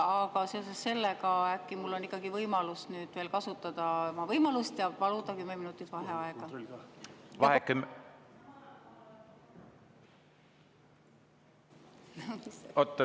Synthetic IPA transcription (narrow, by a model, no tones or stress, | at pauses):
ɑkɑse̞o̞sesːe̞lːeɡɑækːimulːo̞nːikːˑɑɡivɤjmɑlusnyːd̪̥ve̞ːlkɑsut̪ːˑɑd̪̥ɑmɑvɤjmɑlust̪jɑpɑlud̪̥ɑkymːeminut̪ːˑit̪vɑɦeɑeɡ̥ɑ | vɑhekːˑym | ot̪ː